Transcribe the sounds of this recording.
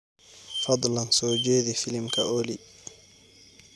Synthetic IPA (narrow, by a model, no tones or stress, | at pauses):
fɑd̪ˤlansoːd͡ʒeːd̪ifilimkʰa̰ʔoːli